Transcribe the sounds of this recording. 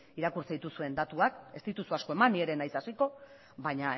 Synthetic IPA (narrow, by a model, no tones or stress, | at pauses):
iɾakuɾt͡sait̪usue̞nd̪at̪uake̞st̪it̪usuasko̞e̞manie̞ɾe̞najsasiko̞ | βaɲa